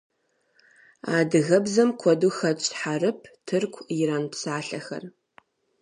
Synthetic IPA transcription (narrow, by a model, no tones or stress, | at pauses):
aːdɨɣɐbzɐmkʷʰɔduːxɐt͡ʃʼħarɨpʰtʰɨrkʷʰjɪɾaːnpsaːɬɐxɐ̰r